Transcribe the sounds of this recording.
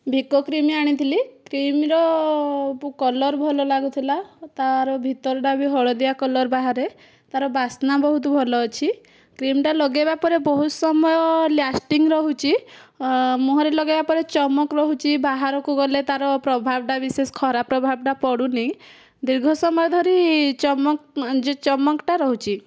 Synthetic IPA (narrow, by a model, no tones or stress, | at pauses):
bʱikokɾimiaɽ̃it̪ʰilikɾimɾɔ | pukɔlɔɾbʱɔlɔlaɡut̪ʰilat̪aɾɔbʱit̪ɔɾɔɖabʱiɦɔɭɔd̪iakɔlɔɾbaɦaɾe | t̪aɾɔbasnabɔɦut̪ɔbʱɔlɔːt͡ʃʰi | kɾimʈalɔɡebapɔɾebɔɦusɔmɔjɔljasʈiŋɾɔɦut͡ʃʰi | muɦɔɾelɔɡebapɔɾet͡ʃɔmɔkɾɔɦut͡ʃʰibaɦaɾɔkuɡɔlet̪aɾɔpɾɔbʱabɔʈabisesɔ̥kʰɔɾapɾɔbʱab̚ʈapɔɽunej | d̪iɾɡʱɔsɔmɔjɔd̪ʱɔɾit͡ʃɔmɔkd͡ʒet͡ʃɔmɔkʈaɾɔɦut͡ʃʰi